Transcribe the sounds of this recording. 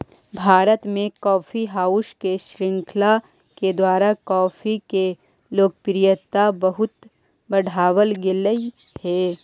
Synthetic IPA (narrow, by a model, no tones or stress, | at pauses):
bʱaːɾət̪mẽkɔːfiɦaːʊʃkeʃɾɪ̃ŋkʰla | ked̪waːɾakɔːfike | loːk̚pɾɪjət̪ːabɐɦʊt̪ | bɐɽ̤ʱaːwəlɡɪləi | hɛː